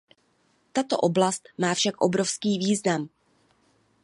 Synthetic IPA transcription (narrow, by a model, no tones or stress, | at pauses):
t̪at̪o̞̰ʔo̞blast̪̚maːfʃakʔo̞bɾo̞fskiːviːznam